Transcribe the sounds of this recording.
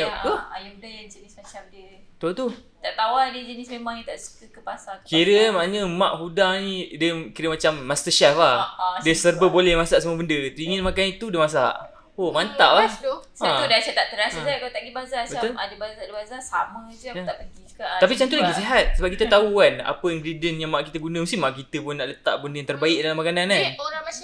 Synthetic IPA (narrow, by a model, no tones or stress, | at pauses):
uajudajand͡ʒənɪsmat͡ʃafdiət̪ut̪u | t̪aʔt̪awadəd͡ʒənismemãŋjat̪aʔskəkəpasat̪kiɾəmaaɲəmã̰ʔɦudaŋnĩdəkiɾəmat͡ʃamːast̪əʃɛflahdəsərbəbolɛhmasaʔsəmuəbəndət̪iŋɪnmakanit̪udəmas̬a̰ʔ | omant̪aʔat͡ʃãudasat̪aʔt̪əɾasakat̪aʔɡibazasbəaladəbazadəbazasamə̃d͡ʒəat̪aʔpəɡikat̪apit͡ʃant̪ulaɡiseɦat̪̚səbap̚kit̪ət̪auana̰pəiŋɡɾidiənjaŋmaʔkit̪əɡunəməskinmaʔkit̪əpʊnːaʔlət̪a̰ʔbəndəjaŋt̪ərbaɪʔ̚dalamakanananoɾa